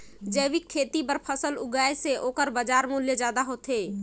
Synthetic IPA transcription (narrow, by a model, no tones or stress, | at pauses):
d͡ʒəɪʋɪkʰːeːt̪ipəɾpʰəsəlʊɡaːjeseoːkəɾbəd͡ʒaːɾmuljəd͡ʒjaːd̪aɦoːt̪ɦeː